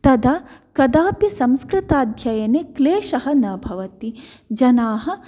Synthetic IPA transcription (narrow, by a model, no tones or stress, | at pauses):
t̪ɐd̪ʱɐkɐd̪aːpjɐsɐ̃mskɾɪt̪aːd̪ʱjɐjɐnekleːʃɐɦɐnɐbʱɐʋɐt̪i | d͡ʒɐnaːɦɐ̆